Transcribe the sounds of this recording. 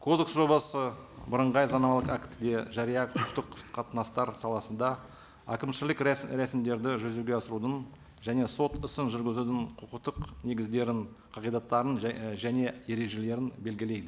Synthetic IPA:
kʰo̞d̪e̞ksʒo̞bɑsəbəɾəɴʁɑjzɑnɑmɑlˠəqakt̪d̪e̞ʒɑɾijɑqʰʊqəqt̪əqʰːɑt̪ənɑst̪ɑɾsɑlˠɑsənd̪ɑ | a̰kʲɪmʃɪlɪkɾesmd̪e̞ɾd̪ɪʒɵzeɡʲeɑsəɾud̪ən | ʒæne̞so̞t̪ɪsɪnʒʏɾɡʲɪzud̪ɪɴqʰʊqəqt̪əqne̞ɡʲɪzd̪e̞ɾɪɴqʰɑʁijd̪ɑt̪ːɑɾənʒæne̞je̞ɾe̞ʒe̞le̞ɾɪnbe̞lɡʲɪle̞jd̪ɪ

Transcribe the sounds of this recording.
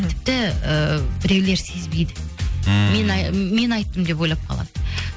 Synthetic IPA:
t̪ʰɪ̥p̚t̪ɪəbɪɾe̞wle̞ɾse̞zbejd̪ɪ | me̞nme̞nɑjt̪ːəmd̪e̞p̬o̞jlˠɑp̚qʰɑ̰lˠɑ̰d̪̥ə

